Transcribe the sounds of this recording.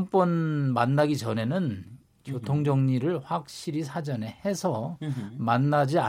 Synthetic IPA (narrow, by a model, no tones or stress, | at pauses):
mp͈ʌnmanːaɡit͡ɕʌne̞nɯn | kjotʰoŋd͡ʑʌŋɲiɾɯɭɸwak̚ɕ͈iɾisʰad͡ʑʌne̞he̞sʰʌmanːad͡ʑia